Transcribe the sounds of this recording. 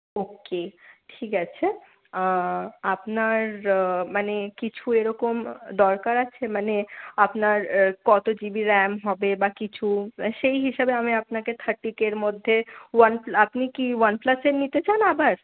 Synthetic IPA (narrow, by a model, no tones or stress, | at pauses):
okeʈʰikat͡ɕʰe | apnaɾmanekit͡ɕʰueɾɔkomd̪ɔɾkaɾat͡ɕʰemaneapnaɾkɔt̪od͡ʑibiɾɛmɦɔbebakit͡ɕʰuʃejɦiʃabeamiapnaket̪ʰəɾʈːikeɾmod̪ʱːewənplapnikiwənplaseɾnit̪et͡ɕanabaɾ